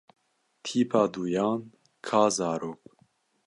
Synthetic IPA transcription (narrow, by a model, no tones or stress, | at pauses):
t̪ʰiːpʰɑːd̪uːjɑːn | kʰɑːzɑːɾoːk̚